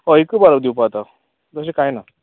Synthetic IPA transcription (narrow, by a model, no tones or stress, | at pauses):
ɔikəbaɾabd̪iwpat̪a | d͡zəɕ̬ekajna